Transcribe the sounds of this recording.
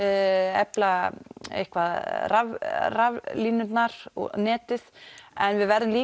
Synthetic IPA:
ɛplaḛjhkvaðravravliːnʏt̪naɾɔ̰nɛːt̪ɪðɛnvɪðvɛɾðɪmliː

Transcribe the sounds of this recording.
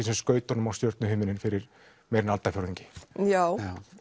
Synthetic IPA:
isɛmskœːɥt̪ɔnʏmawst̪jœɾt̪nʏhʏːmɪnɪnfɪɾɪɾ̥ | mɛːjɾɪnalt̪afjowɾðiɲcɪ̥jaːw

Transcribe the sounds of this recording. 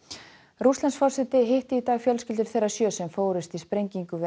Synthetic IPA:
ɾust̪lansfɔr̥sɛt̪ɪɦɪht̪ɪit̪aːɣfjœlscɪlt̪ɪɾ̥θejrḁsjœːsɛmfoːwɾɪst̪ispɾejɲciŋkʏvɪ

